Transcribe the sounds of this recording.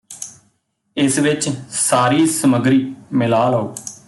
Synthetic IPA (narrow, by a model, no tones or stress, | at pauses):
ɪsʋɪt͡ʃsaːɾiːsəməɡɾiːmɪlaːlɦooː